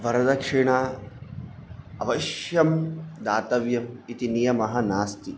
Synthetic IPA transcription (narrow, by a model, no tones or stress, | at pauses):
ʋɐɾɐd̪ɐkʂiɳa | ɐʋɐʃjɐmd̪aːt̪ɐʋjɐmit̪inijɐmɐɦɐ̆naːst̪i